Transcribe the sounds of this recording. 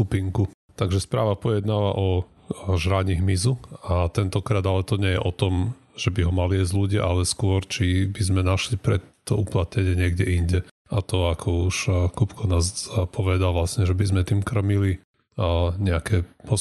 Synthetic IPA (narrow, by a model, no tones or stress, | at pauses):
kupiŋku | t̪aɡʒɛspɾa̰ːʋapɔjɛd̪naːʋa̰ʔɔ | ʒɾaɲiɦmizuat̪ɛnt̪ɔkɾaːd̪alɛt̪ɔɲɛjɛʔɔt̪ɔm | ʒ̥ɛbiɦɔmaliɛzluɟaʔalɛskʊɔɾt͡ʃibizmɛnaʃlipɾɛt̪ːɔuplat̪ɲɛɲɪɛɲɪɛɡɟɛiɲɟɛ | at̪ɔakʰɔuʃkupkʰɔnaːzpʰɔʋɛd̪alʋlasɲɛʒɛbizmɛt̪iːmkr̩mili | ɲɛakʰɛpɔ